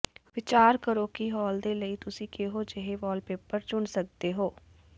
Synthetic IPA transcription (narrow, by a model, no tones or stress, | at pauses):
ʋɪt͡ʃaːɾkəɾoːkiːɦɔːld̪eːləiːt̪ʊsĩːkeɦoːd͡ʒeɦeːʋɔːlpeːpəɾt͡ʃʊɳsək̚d̪eːɦoː